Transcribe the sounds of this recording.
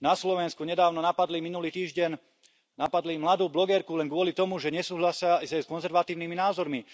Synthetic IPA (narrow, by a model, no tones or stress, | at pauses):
naslɔʋɛnskuɲɛd̪aːʊnɔnapad̪liminuliːt̪iːʒɟɛɲ | napad̪limlad̪uːblɔɡɛɾkulɛnɡʊɔlit̪ɔmuʒɛɲɛsuːɦlasɪazajskɔnzɛɾʋat̪iːʊniminaːzɔɾmi